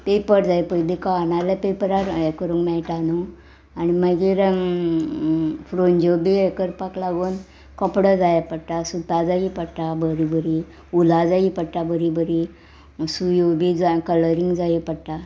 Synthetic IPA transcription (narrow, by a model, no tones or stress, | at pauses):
pepəɾd͡zajpəjd̪ikanalapepəɾaɾɛkəɾuŋɡmɛjʈanu | animəɡiɾ | fɾond͡ʑobiɛkəɾpaklaɡuːn | kɔpɽəd͡zajapəɽʈasut̪ad͡zaipəɽʈabəɾibəɾi | ulad͡zaipəɽʈabəɾibəɾi | sujobid͡zakələɾiŋɡd͡zajipəɽʈa